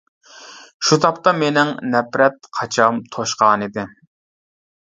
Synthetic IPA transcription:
ʃut̪ʰɑpt̪ɑmenɪŋnɛpɾɛt̪qʰɑt͡ʃʰɑmt̪ʰoʃqɑːnɨd̪ɪ

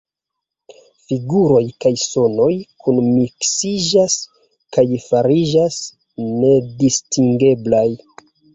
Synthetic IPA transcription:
fiɡuɾo̞jkajso̞no̞jkʰunmiksid͡ʒas | kajfaɾid͡ʒas | ne̞distiŋɡe̞blaj

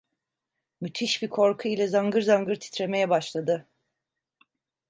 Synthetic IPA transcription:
myt̪ʰiʃbikʰo̞ɾkʰuilʲɛzaŋɡɯɾzaŋɡɯɾt̪ʰi̥t̪ɾe̞me̞jɛbaʃlˠad̪ɯ

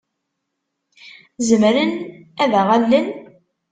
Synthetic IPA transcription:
zəmɾənæðæʁalːən

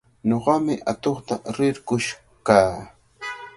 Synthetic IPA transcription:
ɲoɢɑmɪʔat̪oχt̪aɾɪɾkʊʃ | kaː

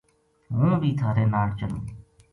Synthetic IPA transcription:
ɦũːbʱiːt̪ʰaːɾeːnaːɽt͡ʃənṵ̃ː

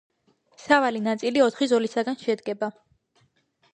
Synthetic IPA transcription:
savalinat̪sʼiliɔt̪ʰχizɔlisaɡanʃɛd̪ɡɛba

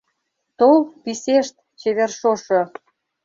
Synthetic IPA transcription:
t̪olpiseʃt̪̚ | t͡ɕeβerʃoʃo

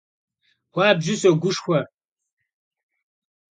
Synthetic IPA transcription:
waːbʒɪɕɐɡʷʊʂxʷɐ

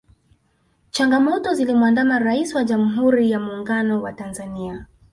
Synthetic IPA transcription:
t͡ʃaŋɡamɔtɔzilimwandamaɾaisiwaʄam̩ɦuɾijamuːŋɡanɔwatanzania

